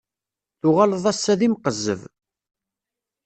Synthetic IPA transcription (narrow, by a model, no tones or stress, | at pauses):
θʊʁaləðˤæsːæðimqəzːə̰v